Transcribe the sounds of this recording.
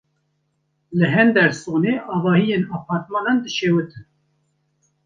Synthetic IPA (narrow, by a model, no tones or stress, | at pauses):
lɨɦɛnd̪ɛɾsoːneːʔɑːvɑːhijenɑːpʰɑːɾt̪mɑːnɑnd̪ɨʃeːwɨt̪ʰɨn